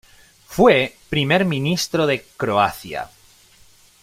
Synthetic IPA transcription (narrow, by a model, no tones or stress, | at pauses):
fwepɾime̞ɾmĩnist̪ɾoðe̞kɾoaθja̰